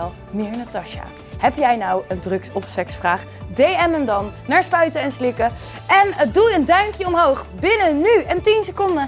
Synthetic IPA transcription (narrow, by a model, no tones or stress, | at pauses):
ɛlˠ | mɪːɹnatɑʃa̰ | hɛpjɛjnɑwəndrɵksɔpsɛksfraːχ | dejɛməndɑnːaːɹspœɥtəɛnslɪkə | ɛnəduəndœɥŋkjəɔmɦowχbɪnənyəntinsəkɔndə